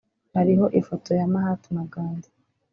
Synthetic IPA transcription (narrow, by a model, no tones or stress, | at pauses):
haɾiɦo̞ʔifo̞tʰo̞jamahatumaɡaːndḁ